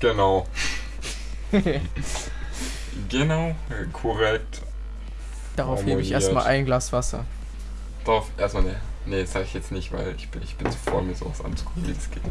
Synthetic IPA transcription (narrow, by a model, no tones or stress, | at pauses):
ɡ̥ənaʊ | ɡənaʊ | kʰɔʁɛk̚t | d̥aʁaʊflleːbəɪçʔeːɐstma̰ːlʔaɪnɡlaːsv̥asɐ̰ | d̥aʁaʊfʔeːɐstanenedsz̥aːɡəɪçjɛt͡stnɪçtva̰ɪlɪçb̥ɪçb̥ɪnzofo̰ːɐmiːɐzo̰ːvasʔa̰nt͡su̥kʰʊ̥kŋ̩viːdsɡ̥eːt